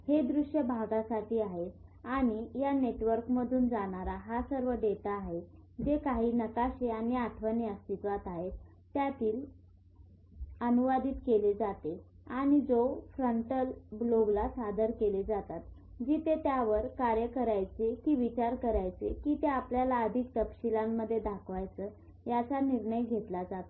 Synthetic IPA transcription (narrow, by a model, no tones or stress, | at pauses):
hed̪ɾuɕjəbʱaɡasaʈʰiːaɦeaɽ̃ijaneʈʋəɾkməd̪ʱuːnd͡zaɽ̃aɾaɦasəɾʋəɖet̪aːɦed͡zekaɦiːnəkaɕeanjəaʈʰʋənjast̪it̪ʋat̪aɦe | t̪ːjat̪iːl | ənuʋad̪iːt̪keled͡zat̪e | aɽ̃id͡zofɾəɳʈəlbloɡlasad̪əɾkeled͡zat̪at̪ | d͡ʑiːt̪et̪jaʋəɾkaɾjəkəɾajt͡sekiːʋit͡ɕaɾkəɾajt͡sḛkiːt̪eapljalaəd̪ʱik̚t̪əpɕilamːəd̪ʱːjed̪akʰʋajt͡səː | jat͡saniɾɳəjɡʱet̪lad͡zat̪a